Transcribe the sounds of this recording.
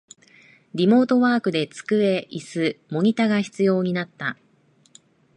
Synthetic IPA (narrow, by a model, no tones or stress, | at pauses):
ɾʲimo̞ːt̪o̞βaːkɯ̟d̪e̞t͡sɨ̥kɯ̟e̞ʔisɨmo̞ɲ̟it̪aɡaçi̥t͡sɨjo̞ːɲ̟inat̪ːa